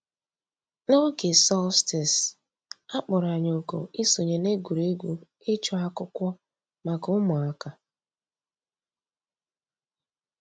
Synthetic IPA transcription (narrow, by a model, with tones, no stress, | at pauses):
no˦ɡe˨sɔ˦stɪ˨s | a˦k͡pʊ˨ɾa˨ɲ˨o˨ko̰˨i˦so˨ɲe˨ne˦ɡu˨ɾe˦ɡʷu˦ | ɪ˦t͡ʃɔ˦a˦kʊ˦kʷɔ˦ | ma˨kʊ˦mʊ˨a˦ka˦